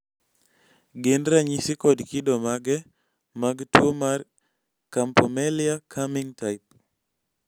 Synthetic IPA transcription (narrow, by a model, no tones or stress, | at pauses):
ɡendɾaɲisɪkɔdkidɔmaɡɛ | maɡtwomar | kampɔmɛlɪakʰamiŋtaɪp̚